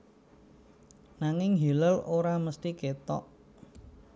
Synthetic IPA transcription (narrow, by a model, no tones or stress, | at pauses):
naŋɪŋɦiləloɾaməst̪iket̪ɔ̰ʔ